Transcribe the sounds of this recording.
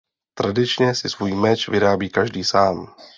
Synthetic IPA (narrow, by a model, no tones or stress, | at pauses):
t̪ɾadɪt͡ʃɲɛsɪsvuːjmɛt͡ʃvɪɾaːbiːkaʒdiːsaːm